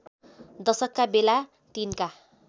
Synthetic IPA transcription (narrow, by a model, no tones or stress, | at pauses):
d̪ʌsʌkːabela | t̪inka